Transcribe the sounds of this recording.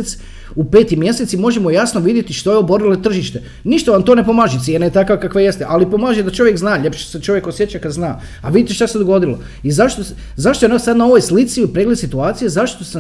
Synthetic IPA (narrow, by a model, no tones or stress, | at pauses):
et̪s | upe̞ːt̪imje̞set̪simo̞ʒemo̞jasnoʋid̪jet̪iʃt̪o̞jeo̞bo̞ɾilet̪r̩ʒiʃt̪e̞ | niʃt̪aʋamt̪oːne̞po̞maːʒit̪ʲjenajet̪akʋakakʋaje̞st̪eʔalipo̞maːʒed̪at͡ʃo̞ʋjekznaːʎepʃset͡ʃo̞ʋjekosjet͡ɕakad̪znaː | aʋid̪it̪eʃt̪ased̪oɡo̞d̪ilo̰ | izaʃt̪o | zaʃt̪oenosad̪nao̞ʋojslit̪siipɾeɡlesit̪uaːt̪sijezaʃt̪ose